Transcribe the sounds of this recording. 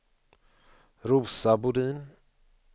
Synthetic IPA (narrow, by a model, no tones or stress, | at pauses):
ɾuːsabʊɖiːn